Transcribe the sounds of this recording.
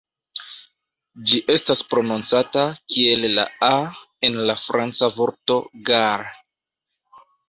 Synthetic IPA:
d͡ʒiʔe̞staspɾo̞nont͡satakie̞lːa̰a | e̞nlafɾant͡savo̞ɾto̞ɡaɾ

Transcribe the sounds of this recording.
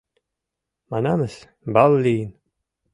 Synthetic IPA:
mananəs | balːiːn

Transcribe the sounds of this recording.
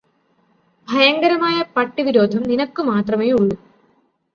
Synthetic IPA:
bʱɐjɐŋɡɐɾɐmaːjɐpɐʈːiʋiɾo̞ːd̪ʱɐmninɐkːumaːt̪rɐmeːjuɭːu

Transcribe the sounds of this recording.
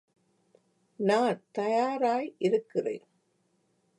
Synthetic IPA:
naːnt̪ɐjaːɾaːjʔɪɾɯkːɪrḛːn

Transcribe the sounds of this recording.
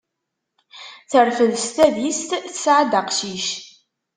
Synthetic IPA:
θəɾfəðst̪æðjist̪θəsʕad̪əqʃiʃ

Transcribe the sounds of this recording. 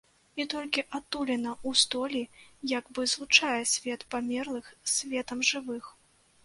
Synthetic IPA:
it̪ɔlʲkʲiʔat̪ːulʲɛnɐust̪ɔlʲijaɡbɨzlˠut͡ʂajɛsʲvʲɛt̪pamʲɛrlˠɨxsʲvʲɛt̪ɐmʐɨvɨx

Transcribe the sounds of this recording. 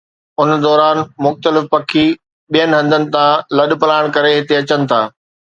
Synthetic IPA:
ʊnd̪ɔːɾaːnmʊxt̪əlɪfpɐkʰi | ɓijənɪ̆ɦɐ̃nd̪ʱənɪ̆t̪ãlɐɗpɐlaːɪɽ̃kɐɾeɦɪt̪eɐt͡ɕənɪ̆t̪ʰaː

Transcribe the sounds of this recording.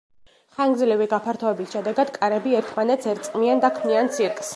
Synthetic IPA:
χaŋɡzlɛviɡapʰaɾt̪ʰɔɛbisʃɛd̪ɛɡad̪̥kʼaɾɛbiɛɾt̪ʰmanɛt̪sʰɛɾt̪sʼqʼmiand̪akʰmiant̪sʰiɾkʼs

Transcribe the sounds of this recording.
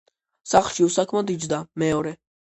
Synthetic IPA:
saχlˠʃiusakʰmɔd̪id͡ʒd̪amɛɔɾɛ

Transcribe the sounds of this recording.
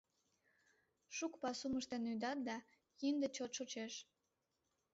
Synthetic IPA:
ʃukpɑsuməʃt̪enyd̪ɑt̪̚d̪ɑ | ind̪et͡ɕot̪ʃot͡ɕeʃ

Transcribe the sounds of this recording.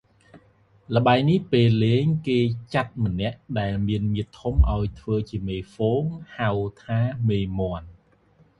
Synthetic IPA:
lə̆ɓaɛnihpeːlːeːŋkeːt͡ɕat̪̚mə̆nɛ̆əʔɗaɛlmiənmiət̪ʰːumʔaɔjt̪ʰʋəːt͡ɕiəmeːfoːŋhawt̪ʰaːmeːmoən

